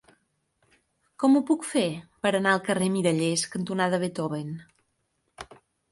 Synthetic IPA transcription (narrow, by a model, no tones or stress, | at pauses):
kɔmupukfepəɾənaəlˠkəremiɾəʎeskənt̪unað̞əβet̪ɔβen